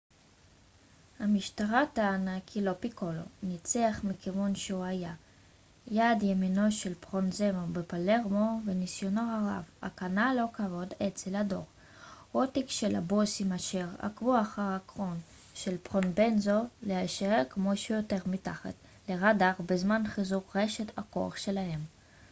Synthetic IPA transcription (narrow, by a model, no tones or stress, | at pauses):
hamiʃtaʁat̪aːnakʰilo̞pikolo̰nit͡seaχmikivunʃeuaja | jadjemino̞ʃelpʁonzemobepaleʁmovenisjonoaʁa̰va̰kanalo̞kavo̞det͡selado̞̰ʁ | hot̪ikʃela̰bosimaʃeʁa̰kvuaχaʁhakʁon | ʃelpʁonbenzoleaʃeeʁkmoʃeujoteʁmitaχa̰t | leʁadaʁbezmanχizukʁeʃet̪a̰ko̰a̰χʃelahe̞m